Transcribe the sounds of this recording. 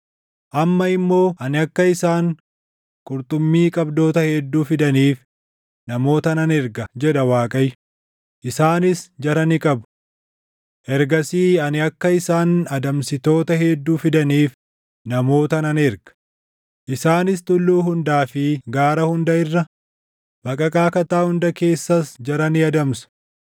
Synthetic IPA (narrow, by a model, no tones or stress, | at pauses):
ʔɐmːɐɪmːo̞ːʔɐnɪɐkːɐɪsaːŋ | kʼʊɾt̪ʼʊmːiːkʼɐbd̪o̞ːt̪ɐhɛd̪ːuːfɪd̪ɐniːf | nɐmo̞ːt̪ɐnɐnɛɾɡɐd͡ʒɛᶑɐwaːkʼɐj | ʔɪsaːnɪsd͡ʒɐɾɐnɪkʼɐbʊ̥ | ʔɛɾɡɐsiːɐnɪɐkːɐɪsaːnɐd̪ɐmsɪt̪o̞ːt̪ɐhɛd̪ːuːfɪd̪ɐniːf | nɐmo̞ːt̪ɐnɐnɛɾɡ̥ɐ̥ | ʔɪsaːnɪs̬t̪ʊlːuːɦʊnd̪aːfɪɡaːɾɐhʊnd̪ɐɪrːɐ | b̥ɐkʼɐkʼaːkɐt̪aːhʊnd̪ɐke̞ːsːɐsd͡ʒɐɾɐnɪɐd̪ɐmsɐ̥